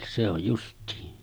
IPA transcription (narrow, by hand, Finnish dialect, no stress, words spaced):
se oj justiːn